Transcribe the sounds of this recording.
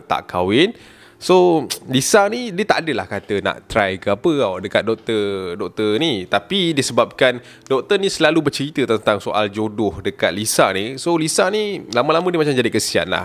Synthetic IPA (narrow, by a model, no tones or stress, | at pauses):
t̪a̰ʔkʰa̰wɪn | solisanidiət̪aʔadəla̰hkat̪əna̰ʔt̪ɾajkəapəawdəkat̪̚dɔk̚t̪ərdɔk̚t̪ərnit̪apidisəbap̚kan | dɔk̚t̪ərnisəlalubərt͡ʃəɾit̪ət̪ənt̪aŋsoʔa̰ld͡ʒodʊhdəkat̪̚lisa̰ʔnisolisaʔnilamə̃lamə̃diəmat͡ʃamd͡ʒadikəsia̰t̪̚la̰h